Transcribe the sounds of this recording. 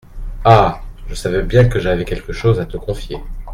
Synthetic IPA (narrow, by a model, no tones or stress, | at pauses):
aʒəsavɛbjɛ̃kəʒavɛkʲɛlkəʃozat̪əkɔ̃fje